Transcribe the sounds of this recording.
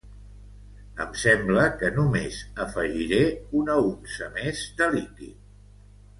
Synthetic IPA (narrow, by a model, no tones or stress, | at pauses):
ə̰msɛmbləkənumezəfəʒiɾeunəunsəmezd̪əlikḭt̪̚